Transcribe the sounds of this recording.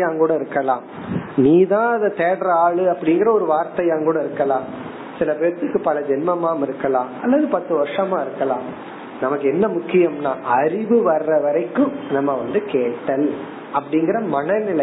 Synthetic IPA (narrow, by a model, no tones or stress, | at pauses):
jaːŋkuːɽɐɪɾɯkːɐlãː | niːt̪ãːɐðɐt̪eːɽɐɾaːɭɯɐpːɐɽɪŋɡɪɾɐɔɾɯʋaːɾt̪ɐjaːŋkuːɽɐɪɾɯkːɐlãː | sɪlɐpeːɾɐt̪ːɯkːɯpɐlɐd͡ʒɛnmɐmaːmɪɾɯkːɐlãːɐ̰lːɐðɯpɐt̪ːɯʋɐɾʂɐmãːɪɾɯkːɐlãː | nɐmɐkːɯɛnːɐmʊkːɪjɐmnaːʔɐɾɪʋɯʋɐɾːɐʋɐɾɐɪkːɯ̃nɐmːɐʋɐnd̪ɯkeːʈːɐl | ɐpːɐɽɪŋɡɪɾɐmɐɳɐnɪlɐ